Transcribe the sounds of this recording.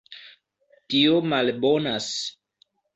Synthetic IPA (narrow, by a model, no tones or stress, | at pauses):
tiomalbo̞nas